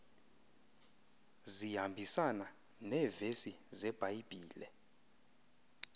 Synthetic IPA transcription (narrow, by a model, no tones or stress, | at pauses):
zihambʱisana | nɛːvesizɛb̥ʱaib̥ʱiːlɛ